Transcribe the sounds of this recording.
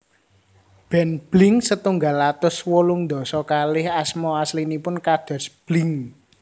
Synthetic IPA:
b̥ɛnb̥lɪŋsət̪uŋɡalːat̪ʊswolʊŋnd̪ɔ̤sɔkalɪhasmɔaslinipʊnkad̪̥ɔ̤sb̥lɪŋ

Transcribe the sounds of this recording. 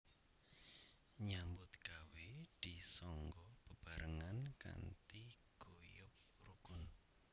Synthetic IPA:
ɲambʊt̪̚ɡ̥awed̪̥isɔŋɡɔb̥ə̤b̥a̤ɾəŋanka̰nt̪i | ɡ̥ojʊp̚ | ruɡ̥ʊn

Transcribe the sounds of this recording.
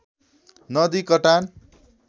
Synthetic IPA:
nʌd̪ikʌʈan

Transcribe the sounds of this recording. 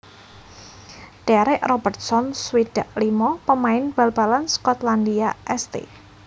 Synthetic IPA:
ɖ̥aɾɛʔrɔbərt̪̚sɔnswid̥a̤ʔlimɔpəmaɪnb̥a̤lb̥alanskɔt̪land̪iaʔɛst̪ḛ

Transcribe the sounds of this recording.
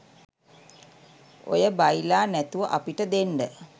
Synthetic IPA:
o̰jəbajlaːnæt̪uʋəʔapiʈəd̪enɖə

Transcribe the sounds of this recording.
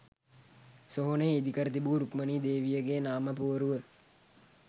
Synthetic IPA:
soɦoneːid̪ikəɾət̪̬ibuːɾukməniːd̪eːʋijəɡeːnaːməpuːɾuʋə

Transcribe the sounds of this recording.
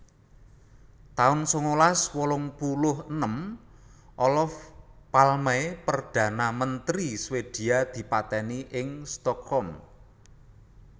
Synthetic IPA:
t̪aʊnsoŋolaswɔlɔŋpulʊhənəm | ʔɔlɔfpalmaepərd̥ä̤namənt̪ɾiswed̪̥i̤ad̪̥i̤pat̪ɛniʔɪŋst̪ɔk̚hɔm

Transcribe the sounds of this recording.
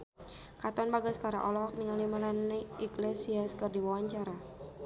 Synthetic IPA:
kat̪ɔnbaɡaskaɾa̰ʔɔlɔɦɔk̚niŋalimalaniiklesiaskɨrdiwawaɲt͡ʃaɾa

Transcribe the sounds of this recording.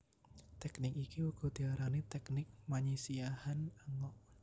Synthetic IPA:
t̪ɛknɪkikiuɡ̥ɔ̤d̪̥iaɾanit̪ɛknɪk̚maɲisiahanaŋɔʔ

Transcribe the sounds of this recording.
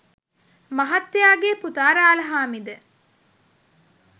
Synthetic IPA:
mɐɦɐt̪ːejaːɡeput̪aːɾaːlɐɦaːmid̪ə

